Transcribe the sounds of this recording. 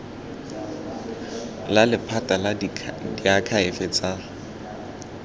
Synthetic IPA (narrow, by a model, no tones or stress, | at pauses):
lalɪpʰatʼaladiakʰaɪfɪt͡sʼa